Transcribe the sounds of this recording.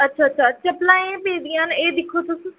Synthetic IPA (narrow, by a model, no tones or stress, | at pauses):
ɐtːʃʰaːtːʃʰat͡ʃɐplaːẽpẽːd̪ijãɦneːd̪ɪkʰot̪ʊs